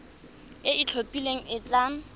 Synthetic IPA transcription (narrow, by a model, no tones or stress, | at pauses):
ɪit͡ɬʰopʼileŋ̩ɪt͡ɬaːŋ̩